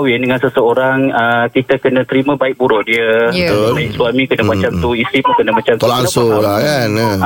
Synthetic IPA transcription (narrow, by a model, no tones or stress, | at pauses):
wɪndəŋansəsəoɾaŋəkit̪akənə̃t̪əɾimə̃baɪk̚buɾʊʔdiəaɪksuamĩkənəmãt͡ʃamt̪uist̪ɾimukənəmãt͡ʃamt̪laŋsʊlakanə